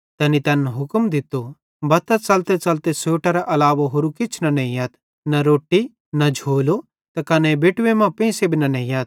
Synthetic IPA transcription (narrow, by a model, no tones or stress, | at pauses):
t̪ɛːnit̪ɐnɦʊkəmd̪ɪt̪o | bɐt̪ɐt͡sɐlt̪et͡sɐlt̪esoːʈaɾaʔɐlaːʋaɦoːɾukɪt͡ʃʰnɐnɐ̃ĩɐːt̪ | nɐɾoːʈːi | nɐd͡ʒʱoːlo | t̪ɐkɐnɛbeːʈʋemãpẽːsebʱinɐnɐĩjaːt̪̚